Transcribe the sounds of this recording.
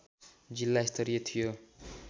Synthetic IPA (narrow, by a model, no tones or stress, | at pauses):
d͡zilːaist̪ʰʌɾijʌt̪ʰijo